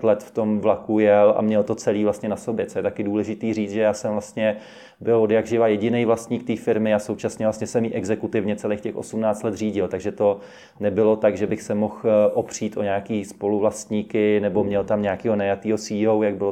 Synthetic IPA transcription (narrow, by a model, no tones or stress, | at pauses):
t̪lɛt̪ft̪o̞mvlakujɛlʔa̰mɲɛlt̪o̞t͡sɛliːvlast̪ɲɛnaso̞bjɛt͡sojɛt̪akɪduːlɛʒɪt̪iːriːt͡sʒɛjaːsɛmvlast̪ɲɛ | bɪlodjaɡʒɪvajɛɟɪnejvlast̪ɲiːk̚t̪iːfɪɾmɪasowt͡ʃasɲɛvlast̪ɲɛsɛmiːʔɛɡzɛkut̪ɪvɲɛt͡sɛleːkcɛxʔo̰sumnaːt͡st̪lɛt̪r̝iːɟɪlt̪aɡʒɛt̪o̞ | nɛbɪlot̪aɡʒɛbɪxsɛmoxʔopr̝̥iːt̪ʔoɲaːkiːspo̞luvlast̪ɲiːkɪnɛbo̞mɲɛlt̪amɲaakiːɦo̞najat̪iːɦosiːowjaɡ̚bɪlo